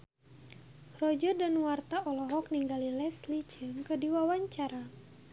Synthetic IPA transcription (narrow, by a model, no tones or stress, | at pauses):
rɔd͡ʒɔrdanwart̪aʔɔlɔɦɔk̚niŋɡalilɛslid͡ʒɨŋkədiwawaɲt͡ʃaɾa